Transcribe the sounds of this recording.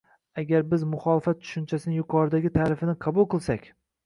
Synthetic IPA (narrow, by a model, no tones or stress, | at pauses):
aɡʲaɾbɪzmʊχɒlˠɪfat̪̚t͡ʃʰʊ̥ʃʊnt͡ʃʰasɪnɪjʊqʰɒɾɪd̪aɡʲɪt̪ʰaɾɪfɪnɪqʰɑbʊlˠqɨlˠsakʲ